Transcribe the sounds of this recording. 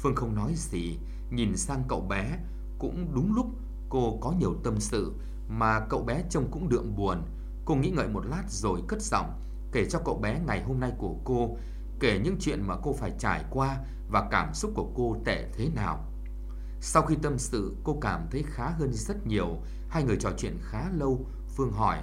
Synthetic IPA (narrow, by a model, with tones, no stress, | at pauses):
fɨ˧əŋxə˧wŋ͡mnɔ˨˦jzi˨˩ | ɲi˨˩nsaː˧ŋkə̰˧˨wɓɛ˨˦ | kʊ̰˧˥ŋ͡mɗʊ˨˦ŋ͡mlʊ˦˥k͡p̚ | ko˧kɔ˨˦ɲi˨˩əwt̪ə˧msɨ̰˧˨ | maː˨˩kə̰˧˨wɓɛ˨˦t͡ɕə˧wŋ͡mkʊ̰˧˥ŋ͡mɗɨ̰˧˨əŋɓu˨˩ən | ko˧ŋḭ˧˥ŋə̰ː˧˨jmo˨˩t̚laː˦˥t̚zo˨˩jkə˦˥t̚z̥ɔ̰˧˨wŋ͡m | ke˧˩t͡ɕɔ˧kə̰˧˨wɓɛ˨˦ŋa˨˩jɦo˧mna˧jku˧˩əko˧ | ke˧˩ɲɨ̰˧˥ŋt͡ɕwḭ˧˨ənmaː˨˩ko˧faː˧˩jt͡ɕaː˧˩jkwaː˧ | vaː˨˩kaː˧˩msʊ˦˥k͡p̚ku˧˩əko˧t̪ɛ˧˩t̪ʰe˨˦naː˨˩w | sa˧wxi˧t̪ə˧msɨ̰˧˨ko˧kaː˧˩mt̪ʰə˨˦jxaː˨˦ɦəː˧nzə˦˥t̚ɲi˨˩əw | haː˧jŋɨ˨˩əjt͡ɕɔ˧˨˩t͡ɕwḭ˧˨ənxaː˨˦lə˧w | fɨ˧əŋɦɔ˧˩j